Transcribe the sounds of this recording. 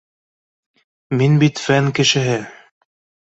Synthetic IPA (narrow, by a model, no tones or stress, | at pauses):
minbit̪fæŋkɘ̆ʃɘ̆ɦɘ